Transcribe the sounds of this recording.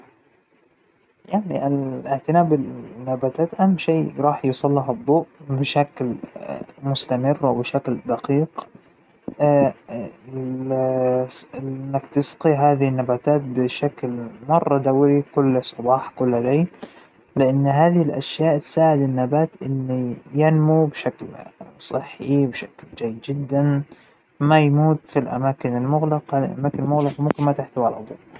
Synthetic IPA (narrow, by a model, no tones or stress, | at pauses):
jaʕniʔalɪʕt̪ɪnaːbɪnːabaːt̪aːt̪ʔamːʃiːɾˤɑːħjʊsˤɑlːiɦɑd̪ˤːoːʔbɪʃakl | mʊst̪amɪrːwɪbɪʃakld̪ɑqiːq | ɪnːakt̪ɪsqiɦaːðɪhɪnːabaːt̪aːt̪̚bɪʃaklmɑrˤːɑd̪awɾikʊlːsˤɑbɑːħkʊlːaleːl | lɪʔanːɦaːðɪhɪlʔa̰ʃjaːʔt̪saːʕɪd̪ɪnːabaːt̪ʔɪnːijanmubɪʃaklsˤɨħːibʃakld͡ʒajːɪd̪d͡ʒɪd̪ːan | majmuːt̪filʔa̰maːkɪnɪlmʊɣlɑqlʔa̰maːkɪnlmʊɣlɑqɑmʊmkɪnmat̪ɪħt̪awalʔɑd̪ˤṵ